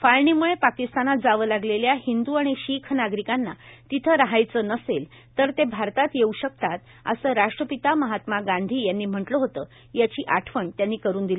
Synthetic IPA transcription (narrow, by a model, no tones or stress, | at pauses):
falɳiːmuɭepakist̪anat̪̚d͡zaʋəːlaɡleljahind̪uaɽ̃iɕikʰnaɡɾikanːa̰t̪it̪ʰəɾaɦajt͡səːnəsel | t̪əɾt̪ebʱaɾt̪at̪jeuɕək̚t̪at̪ | ə̰səːɾaʂʈɾəpit̪aməɦat̪maɡãnd̪ʱiːjanːiːm̤əʈləɦot̪əː | jat͡ɕiːʔaʈʰʋəɳt̪janːiːkəɾuːnd̪ili